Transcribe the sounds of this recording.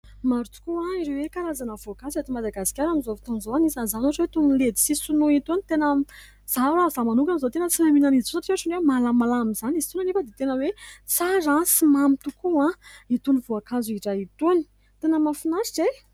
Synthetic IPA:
maɾut̪u̥kuaiɾewekaɾazanəvoakanzet̪imad̪aɡasi̥kʲaɾamizovit̪onizoanisanzanaʈ͡ʂwet̪unled̪i̥sisunuit̪unit̪enə | z̥aɾazamanukamizot̪enət͡silaminanisosaʈ͡ʂaʈ͡ʂinemalamalamizanizi̥t̪unanefəd̪et̪enəwet͡saɾasimamit̪ukuãit̪univoakanzuiʈ͡ʂait̪uni̥ | t̪enəmafinasize

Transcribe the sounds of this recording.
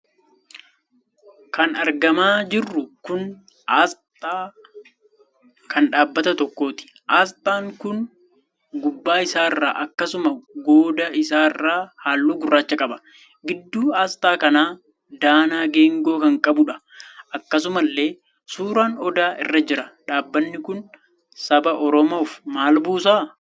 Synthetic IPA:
kɐnɐɾɡɐmaːd͡ʒɪrːʊkʊn | ʔaːst̪ʼaː | kʰɐnᶑaːbːɐt̪ɐt̪ɔkːo̞ːt̪ɪ̥ | ʔaːst̪ʼaːŋkʊn | ɡʊbːaːɪsaːɪrːa̰ːʔɐkːɐsʊmɐɡo̞ːd̪ɐɪsaːɪrːaːhaːlːuːɡʊrːaːt͡ʃːɐkʼɐbɐ̥ | ɡɪd̪ːuːaːst̪ʼaːkɐnaː | d̪aːnaːɡeːŋɡo̞ːkɐŋkʼɐbʊᶑɐ̥ | ʔɐkːɐs̬ʊmɐlːe̞ː | suːɾaːnɔd̪aːʔɪ̰rːɐd͡ʒɪɾɐᶑaːbːɐnːɪkʊn | sɐbɐʔɔɾɔmoːfmaːlbuːsaː

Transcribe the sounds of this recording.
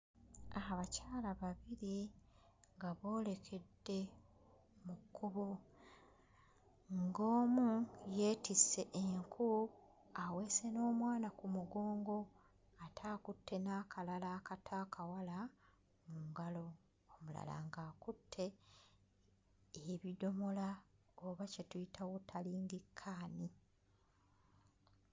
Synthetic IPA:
aɦaβacaːlaβaβiɾi | ŋɡaβo̞ːle̞kʰe̞dːe̞ | mukːuβo | ŋɡo̞ːmuje̞ːtisːe̞ʔeŋkʰu | awe̞ːse̞no̞ːmwaːnakumuɡo̞ːŋɡo̞ | atʰaːkutʰːe̞naːkʰalalaːkatʰakʰawala | muːŋɡalo̞ | omula̰la̰ŋɡaːkutʰːe̞ | eβido̞mo̞la | oβacetujitʰawutʰaliːŋɡikʰːaːni

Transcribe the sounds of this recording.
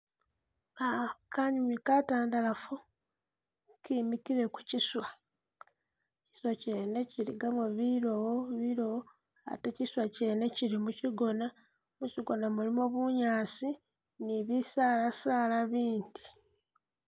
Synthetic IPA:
akaɲumikataːndalafu | kimikiɾe̞ku̥ciswa | ci̥swaceneciɾḭɡaβeβiɾowoβiɾowo | a̰teciswaceneciɾimuciɡo̞na | muciɡo̞namulimoβuɲaːsi | niβisaːlasaːlaβiːndi̥

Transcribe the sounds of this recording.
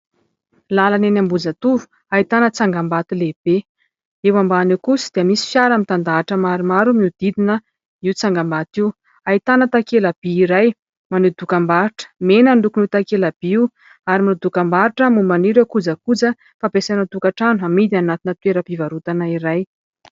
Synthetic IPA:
lalanenambud͡zat̪uvu̥ | ait̪anət͡saŋɡambat̪ileb̥e | ewambaːnewkusi̥d̪̥iəmisi̥fjaɾamit̪and̪aːʈ͡ʂəmaɾimaɾumiud̪̥id̪inə | iwt͡saŋɡambat̪iw | ait̪anət̪akelab̥iːɾaj | manud̪ukambaɾiʈ͡ʂə̥menənɖ͡ʐukunut̪akelab̥iiw | aɾimanud̪ukambaɾiʈ͡ʂəmumaniɾakud͡zakud͡zə | fapesanəd̪ukaʈ͡ʂanuamid̪anat̪inət̪weɾəpivaɾut̪anaiɾaj

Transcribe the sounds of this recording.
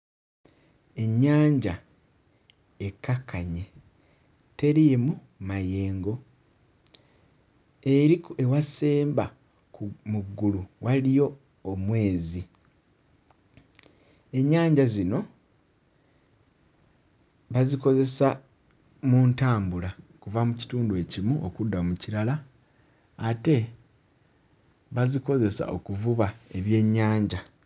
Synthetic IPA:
e̞ɲːaːɲɟa | ekːakːaɲe̞ | te̞ɾijemu | maje̞ːŋɡo̞ | e̞ɾikewaseːmba | kumuɡːuluwʔalijo̞ː | mwe̞ːzi | e̞ɲːaːɲɟazino̞ | βaziko̞ze̞sa | muntaːmbulakuvamuci̥tuːndue̞cimuʔo̰kudːamuciɾalaː | te̞ | βaziko̞ze̞sa̰ʔo̞kuvuβae̞βje̞ɲːaːɲɟa

